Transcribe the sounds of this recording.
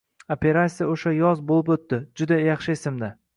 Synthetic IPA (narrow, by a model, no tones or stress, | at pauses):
opʲʰe̞ɾasʲijaoʃajɒzbolˠɪpot̪ːɪd͡ʒʊd̪ajɑχʃɪesɪmd̪a